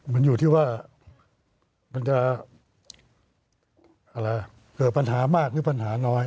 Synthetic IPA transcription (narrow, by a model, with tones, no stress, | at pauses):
ma˧˥njuː˨˩t̪ʰiː˥˩waː˥˩ | ma˧˥nt͡ɕa˧˩ | ʔa˧ɾa˧˩ | kɤː˨˩t̪̚pa˧nɦaː˩˦maː˥˩k̚lɯː˨˦pa˧nɦaː˩˦nɔː˦˥j